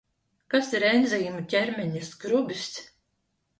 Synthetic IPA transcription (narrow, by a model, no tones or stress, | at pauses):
kasiɾɛnzijmucʲɛɾmʲɛɲasɡɾubʲis